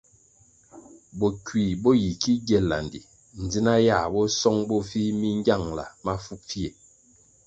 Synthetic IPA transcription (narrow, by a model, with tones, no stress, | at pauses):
bɔ˨kwi˨bɔ˦ji˨ki˦ɡɛ˦˨lːa̰˨ndḭ˨ | n̩˨d͡zi˦na˦ja˦˨bɔ˦sɔ˦ŋbɔ˦fi˦mi˦ŋ˦ɡa˦˨ŋla̰˨ma˦fu˦k̚fi˦e˨